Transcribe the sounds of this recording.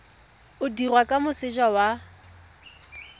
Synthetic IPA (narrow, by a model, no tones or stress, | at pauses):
ʊdirwakʼamʊsɪʒawa